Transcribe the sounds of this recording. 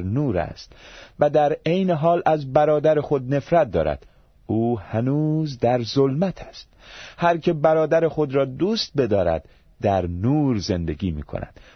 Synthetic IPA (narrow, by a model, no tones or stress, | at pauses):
ɾnuːɾæ̰st̪væd̪æɾejneɦɒːlʔæzbæɾɒːd̪æɾexo̞d̪ne̞fɾæt̪̚d̪ɒ̰ːɾæ̰d̪̥ | uːhænuːzd̪æɾzolmæt̪ʰæ̥st̪̚hæɾkʰe̞bæɾɒːd̪æɾexo̞d̪ɾɒːd̪uːst̪̚be̞d̪ɒːɾæ̰d̪ | d̪æɾnuːɾze̞nd̪eɡiːmḭːkʰo̰næ̰d̪̥